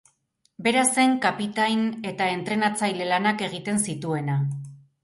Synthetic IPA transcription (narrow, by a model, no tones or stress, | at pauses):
be̞ɾase̞ŋkapit̪ajne̞t̪ae̞nt̪ɾenat͡sajle̞lanake̞ɣ̞it̪e̞nsit̪ue̞na